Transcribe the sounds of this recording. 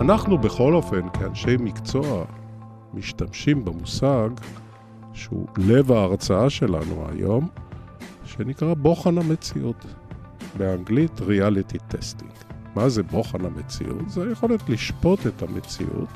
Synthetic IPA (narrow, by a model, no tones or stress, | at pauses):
ʔanaχnubeχo̞lo̞fe̞nkʰea̰nʃe̞jmikt͡so̞a | miʃtamʃimbemusaɡ | ʃeṵle̞vaːʁt͡saaʃe̞la̰nṵa̰jo̞m | ʃenikʁabo̞χanhame̞t͡siʔut | beaŋɡlitʁialitit̪ʰːestḭŋɡmaze̞bo̞χanamet͡sḭʔṵtzeajeχo̞letliʃpo̞tetamḛt͡sḭʔṵt